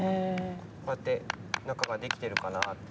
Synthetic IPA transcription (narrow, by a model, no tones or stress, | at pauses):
kojat̪ːe̞nakaɡad̪e̞kʲi̥t̪e̞ɾɯ̟kanat̪ː